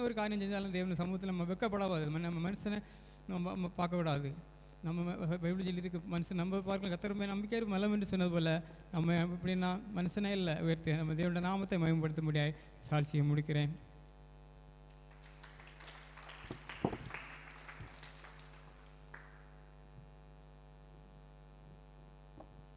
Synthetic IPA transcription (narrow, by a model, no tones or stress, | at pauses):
ɐɔɾɯkaːɾɐjɐ̃msɛɲd͡ʒaːlaːd̪eːʋɐnɖɐsɐmuːɣɐt̪̬ːɪlɐnɐmːɐʋɛkːɐpːɐɽaːʋaːðɐðɯmɐnɐmːɐmɐnɐsɐnɐ | nɐmmːɐpaːɾkɐkːʊɽaːðɯ | nɐmːɐbɐɪbɪlsɛlːɪɾɯk̬ːɯmɐnɯsɐnnɐmbɐpaːɾkɐlãkɐt̪ːɐɾɐmeːnɐmbɪk̬ʲːaːɾɯmɐlːɐmɛnɖɯsɔnːɐðɯpoːlɐ | nɐmːɐɪpːɐɽɪnːaːmɐnɐsɐnɐɪlːɐʊjɐɾt̪ːɪɐnɐmːɐd̪eːʋɐnɽɐnaːmɐt̪ːɐɪmɐjɐmpɐɽɯt̪ːɐmʊɽɪjaːj | saːlt͡ʃɪjɐmʊɽɪk̬ʲːɪɾẽːn